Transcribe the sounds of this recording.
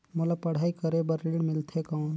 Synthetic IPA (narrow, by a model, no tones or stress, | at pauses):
molapəɽ̤aikəɾebəɾiɽmɪlt̪ʰekawn